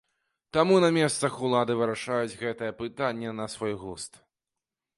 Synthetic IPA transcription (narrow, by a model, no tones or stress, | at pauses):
t̪amunɐmʲɛst̪sɐxulˠad̪ɨvɨɾaʂajud͡zʲɣɛt̪ɐjɛpɨt̪anʲːɛnɐsvɔjɣust̪